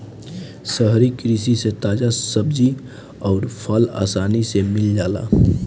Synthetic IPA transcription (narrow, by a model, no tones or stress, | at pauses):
səɦɾikɾiːsiset̪aːd͡ʒasəbd͡ʒi | ɔːɾpʰəla̰ːsaːnisemɪld͡ʒaːla̰ː